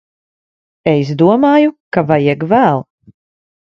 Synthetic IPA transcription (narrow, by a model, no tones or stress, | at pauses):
es̬d̪uɔmaːjukavajɛɡvæːlˠ